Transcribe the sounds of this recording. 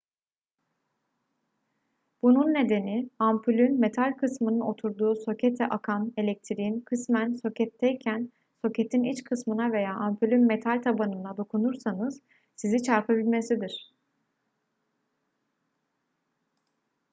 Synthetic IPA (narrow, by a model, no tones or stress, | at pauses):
b̥ununːe̞d̪e̞niampʰylʲynme̞t̪ʰalʲkʰɯsmɯnɯno̞t̪ʰuɾd̪uːso̞cʰet̪ʰɛʔakʰane̞lʲɛc̚t̪ʰiɾiinkʰɯsmænso̞cʰɛt̪ʰːɛjcʰæn | so̞cet̪ʰinit͡ʃkʰɯsmɯnave̞jaːʔampʰylʲynme̞t̪ʰalʲt̪ʰabanɯnlˠad̪o̞kʰunuɾsanɯz̥ | sizit͡ʃʰaɾpʰabilʲme̞sid̪iɾ̝̥